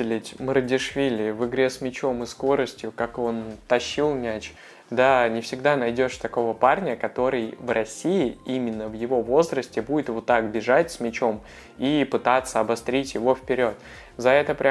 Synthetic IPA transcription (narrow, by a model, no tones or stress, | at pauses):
lʲɪtʲməɾədʲɪʂvʲilʲɪvɨɡɾʲe̞smʲɪt͡ɕo̞mɨsko̞ɾəsʲtʲjʊkako̞nt̪ɐɕːilˠnʲat͡ɕ | d̪anʲɪfsʲɪɡd̪anɐjdʲo̞ʂt̪ɐko̞vəparnʲəkɐt̪o̞ɾɨjvrɐsʲːiɪimʲɪnːəvjɪvo̞vo̞zɾəsʲtʲɪbudʲɪt̪vot̪ːakbʲɪʐatʲsʲmʲɪt͡ɕo̞m | ipɨt̪at̪sːəɐbɐst̪ɾʲitʲjɪvo̞fpʲɪɾʲo̞t̪ | zɐɛt̪əpɾʲ